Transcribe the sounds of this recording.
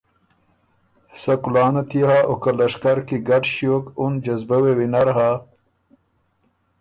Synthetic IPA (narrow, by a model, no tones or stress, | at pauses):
sɐkulɑːnat̪ihaʔokalɐʂkaɾkiɡaʈɕjoːkund͡ʒɐzbɐwewinaɾɦa